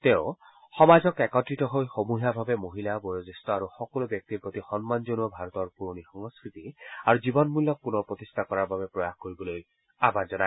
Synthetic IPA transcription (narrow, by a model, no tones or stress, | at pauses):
teʊ̃ | xɔmazɔkɛkɔtɹitɔɦojxomuɦiabʱabɛmoɦilabɔjozistɔaɹuxɔkɔlubjɔk̚tiɹpot̪ixɔnmanzonuɔbʱaɹɔt̪ɔɹpuɹonixɔŋskɹit̪iaɹuzibɔnmulːɔk̚punɔpɹot̪istʰakɔɹaɹbabɛpɹɔjaxkoɹibɔloj | abazɔna